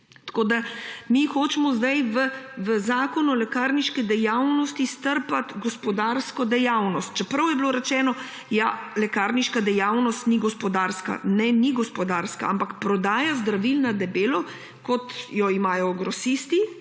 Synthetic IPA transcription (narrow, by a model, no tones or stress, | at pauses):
t̪koːd̪amixoːt͡ʃɛmɔzd̪ajʋəʋəzaːkɔnulɛkaɾniʃkɛd̪ɛjawnɔst̪ist̪əɾpat̪ɡɔspɔd̪aːɾskɔd̪ɛjawnɔst̪̚t͡ʃɛpɾɐwjɛbloːɾɛt͡ʃɛːnɔ | jalɛkaːɾniʃkad̪ɛjawnɔst̪niɡɔspɔd̪aːɾska̰nɛniɡɔspɔd̪aːɾska̰ampakpɾɔd̪aːjazd̪ɾaʋilnad̪ɛbeːlɔ | kɔt̪jɔimaːjɔɡɾɔsist̪i